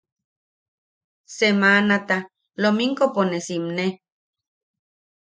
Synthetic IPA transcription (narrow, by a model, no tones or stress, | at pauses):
semanat̪a | lomiŋkoponesimne